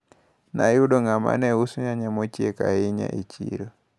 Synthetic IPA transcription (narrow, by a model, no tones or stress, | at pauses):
najuɗɔŋama̰nɛusuɲaɲamot͡ʃiekaɪɲa̰ʔit͡ʃḭɾo